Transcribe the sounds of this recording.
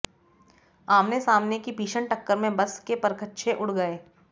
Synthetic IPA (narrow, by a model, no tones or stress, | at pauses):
aːmnesaːmnekibʱiːʃəɳʈəkːəɾmẽbɐskepɐɾkətːʃʰeʔʊɽɡəeː